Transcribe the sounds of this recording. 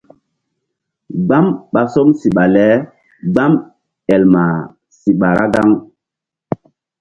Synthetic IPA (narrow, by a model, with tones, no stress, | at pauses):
ɡ͡ba˦mɓa˨so˦msi˨ɓa˨lɛ˦ | ɡ͡ba˦m | ɛ˨lma˨ | si˨ɓa˨ɾa̰˦ɡa˦ŋ